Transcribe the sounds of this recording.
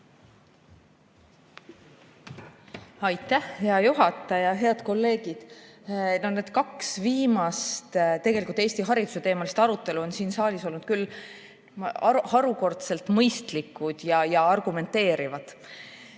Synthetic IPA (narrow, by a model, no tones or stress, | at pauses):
ɑjt̪ːˑæhheɑjuɦɑt̪ːˑɑjɑɦe̞ɑd̪̥ko̞lːe̞ːɡ̥id̪̥ | noned̪̥kɑksviːmɑst̪t̪eɡe̞likult̪eːst̪iɦɑɾid̪use̞t̪e̞ːmɑlist̪ɑɾut̪ːˑe̞luo̞nsiːnsɑːlʲiso̞lnud̪̥kylː | hɑɾuko̞rt̪se̞lt̪ˑmɤjst̪likːˑud̪̥jɑjɑɑrɡ̥ume̞nt̪e̞ːɾivɑd̪̥